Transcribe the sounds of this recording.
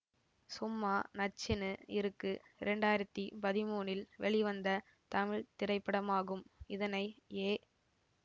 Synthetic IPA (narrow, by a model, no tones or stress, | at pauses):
sʊmːaːnɐt͡ʃːɪnɯɪɾɯkːɯɪɾɛɳɖaːjɪɾɐt̪ːipɐðɪmuːnɪlʋɛɭɪʋɐnd̪ɐ | t̪ɐmɪɻt̪ɪɾɐɪpːɐɽɐmaːɣɯmɪðɐnɐɪeː